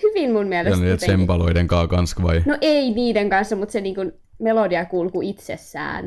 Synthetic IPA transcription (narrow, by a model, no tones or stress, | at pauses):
hyʋimmummiæleseniet̪sempɑloideŋkɑːkɑnskʋɑinoʔeiniːdeŋkɑnsːɑmut̪seniːŋkun | melodiɑkulkuit̪sesːæ̰ːn